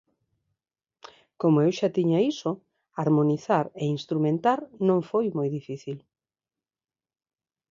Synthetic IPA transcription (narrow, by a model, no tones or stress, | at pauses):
komoewʃat̪iɲaiso | aɾmoniθaɾeinst̪ɾumẽnt̪aɾnõŋfojmojðifiθil